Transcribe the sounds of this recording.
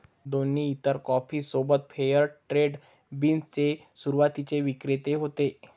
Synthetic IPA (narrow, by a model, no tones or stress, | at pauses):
d̪oniːt̪əɾkɔfiːsobət̪̚fʰejəɾʈɾeɖ | binst͡sesuɾuʋat̪it͡seʋikɾet̪eɦot̪e